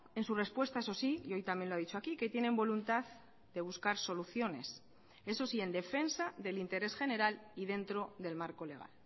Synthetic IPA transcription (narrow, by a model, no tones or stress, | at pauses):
e̞nsure̞spwe̞st̪ae̞s̬o̞sijo̞jt̪amje̞nloaðit͡ʃoakike̞t̪je̞nẽ̞mbo̞lunt̪að | d̪e̞β̞uskaɾso̞luθjo̞ne̞̰s | e̞so̞sie̞nd̪e̞fe̞nsaðe̞lint̪e̞ɾe̞sxe̞ne̞ɾaliðe̞nt̪ɾo̞ðe̞lmaɾko̞le̞ɣ̞a̰l